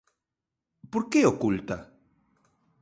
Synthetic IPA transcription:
poɾkeokult̪a

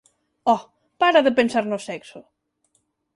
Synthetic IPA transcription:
ɔ | paɾaðepensaɾnʊsɛksʊ

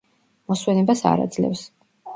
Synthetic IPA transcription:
mɔswɛnɛbasa̰ɾa̰d̪zlɛ̰fs

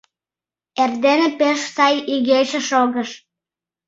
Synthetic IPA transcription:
erd̪enepeʃsɑjiɣeʃə̆ʃoɣəʃ

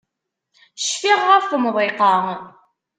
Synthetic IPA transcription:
ʃfiʁːəfθmðˤeqɑ

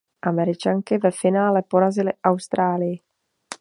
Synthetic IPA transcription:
ʔamɛɾɪt͡ʃaŋkɪvɛfɪnaːlɛpoɾazɪlɪʔawst̪ɾaːlɪjɪ

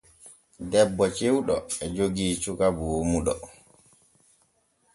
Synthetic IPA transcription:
dɛbːɔt͡ʃewɗɔɛd͡ʒoɡiːt͡ʃukaboːmuɗɔ̰

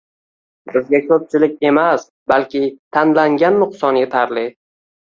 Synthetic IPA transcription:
bɪzɡʲakʰɵp̚t͡ʃʰɪlɪk̚ʲe̞mas | balkʲɪt̪ʰanlaŋɡʲanːʊqsɒnje̞t̪ʰaɾlɪ

